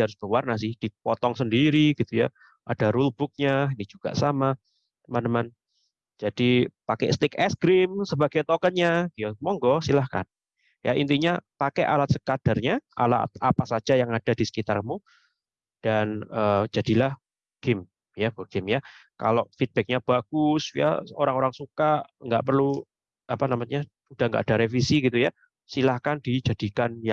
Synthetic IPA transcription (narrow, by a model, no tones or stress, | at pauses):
haɾʊsb̥əwarnasɪhd̥ipɔt̪ɔŋsəndiɾiɡ̥it̪uja̰ | ʔadaɾulb̥ʊk̚ɲainid͡ʒuɡ̥a̰ʔsama | t̪əmant̪əman | d͡ʒad̥ipakɛ̰ʔst̪ɪkɛsɡɾɪmsəbaɡ̥ajt̪ɔkənɲaɡiamɔŋɡɔsilahka̰n | jʔa̰ʔint̪iɲapakɛʔa̰lat̪̚səkad̥arɲaʔa̰la̰t̪̚a̰pasad͡ʒajaŋad̥adisə̥kit̪arkəmu | d̥anəːd͡ʒadilahb | ɡ̥ɪm | jaburɡ̥ɪmjaka̰loʔfid̪̚b̥ɛk̚ɲab̥aɡ̥ʊsja̰o̰ɾaŋoɾaŋsukaʔŋɡa̰ʔpərlu | apanamaɲa | ud̥ahŋɡa̰ʔad̥aɾefisiɡit̪uja | silahkandid͡ʒad̥ikanjaŋ